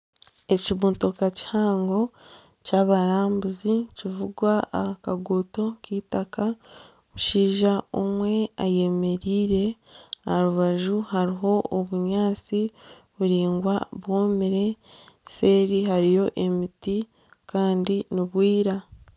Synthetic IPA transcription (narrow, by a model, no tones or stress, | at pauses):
e̞ciβuːnto̞kaci̥haːŋɡo̞ | caβaɾaːmbuzicivuɡwaakaɡoto̞kitaka | uʃiːʒao̰mwe̞aje̞me̞ɾiːɾe̞aɾuβaʒuɦaɾiɦo̞oβuɲaːt͡si | βuɾiːŋɡwaβwoːmiɾe̞se̞ːɾiɦaɾijo̞ʔe̞miti | kaːndiniβwiːɾa